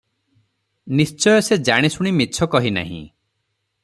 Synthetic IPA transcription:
nist͡ʃɔjɔsed͡ʒaɽ̃isuɽ̃imit͡ʃʰɔkɔɦina̰ɦḭ̃

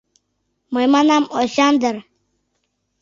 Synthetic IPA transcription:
məjmanaːmoɕaːnd̪əɾ

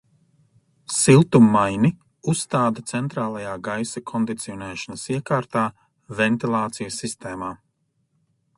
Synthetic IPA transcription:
silˠt̪umːajni | usːt̪aːd̪at̪sɛnt̪ɾaːlˠajaːɡajsakʰɔnd̪it̪siɔnɛːʃanɐsiɛkaːɾt̪aː | vɛnt̪ilˠaːt̪sijɐsːist̪ɛːmaː

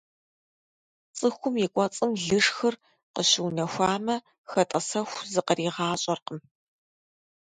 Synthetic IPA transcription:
t͡sʼɨxʷʊmjɪkʷʼɔt͡sʼɨmɮɨʂxɨr | qəɕɪwnɐxʷaːmɐ | xɐtʼɐsɐxʷzɨqəriːʁɑːɕʼɐrqəm

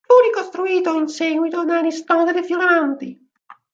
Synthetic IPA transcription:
uːɾikost̪ɾuiːt̪oinsɛɡwit̪od̪anist̪ɔd̪ed̪efjulɾant̪i

